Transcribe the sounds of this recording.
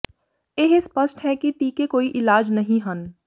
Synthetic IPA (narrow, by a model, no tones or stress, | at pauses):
eɦspəsʈɦɛkiʈiːkekoːiʔɪlaːd͡ʒnɐɦĩɦɐn